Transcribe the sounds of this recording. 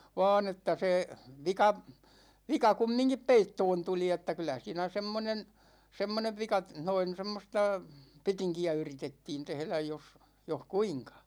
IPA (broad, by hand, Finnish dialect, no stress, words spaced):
ʋɑ̝ːn etːæ se ʋikɑ ʋikɑ kumːiŋkip peitːoːn tuli etːæ kylæ siːnæ semːonen semːoneʋ ʋikɑ noin̞ semːostɑ petiŋkiæ yritetːiːn tehlæj jos joh kuiŋkɑ